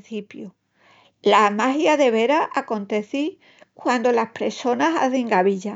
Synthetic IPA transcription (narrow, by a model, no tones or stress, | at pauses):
θipjo | lamaɦjaðe̞β̞e̞ɾaʔako̞nt̪e̞θi | kwand̪olaspɾe̞so̞nasa̰θeŋɡaβiʎa